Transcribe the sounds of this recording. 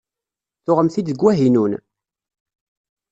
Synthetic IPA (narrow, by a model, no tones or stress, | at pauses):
θʊʁəmθid̪əɡwæɦinun